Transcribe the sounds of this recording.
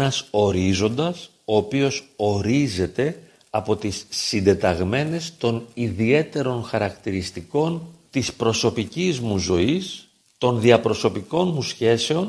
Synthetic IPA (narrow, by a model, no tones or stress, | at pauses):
nɐso̞ɾizo̞nd̪ɐs | o̞ːpio̞so̞ɾize̞t̪e̞ | ɐpo̞t̪isːind̪e̞t̪ɐɣme̞ne̞st̪o̞niðie̞t̪e̞ɾo̞nxɐɾɐkt̪iɾist̪iko̞nt̪ispɾo̞so̞picizmuzo̞is | t̪o̞nðiɐpɾo̞so̞piko̞nmusçe̞se̞o̞n